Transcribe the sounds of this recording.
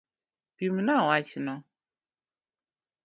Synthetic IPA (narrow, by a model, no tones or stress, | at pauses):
pimnawat͡ʃinɔ